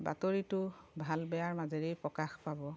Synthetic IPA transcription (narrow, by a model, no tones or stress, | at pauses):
ba̰toɹitʊbʱalbɛjaɹmazeɹejpɹɔkaxpabɔ